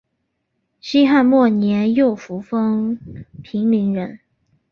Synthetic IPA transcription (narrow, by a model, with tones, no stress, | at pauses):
ɕi˥xa˥˧nmwɔ˥˩njɛ˧˥njo˥˩ʊfu˧˥fɤ˥ŋpʰi˧˥ŋli˧˥ŋɻə˧˥n